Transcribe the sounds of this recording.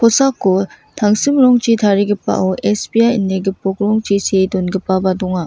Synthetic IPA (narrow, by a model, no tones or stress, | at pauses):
kʰɔsakːo | tʰaŋsimɾɔŋt͡ʃitʰaɾiɡipːa̰ʔɔʔespiajinːeɡipɔk̚ɾɔŋt͡ʃisedɔnɡipːabadɔŋa